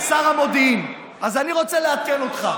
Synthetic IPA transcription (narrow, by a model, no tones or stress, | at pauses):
saʁamo̞d̪iim | azaniʁo̞t͡seleat̪̚keno̞t̪χa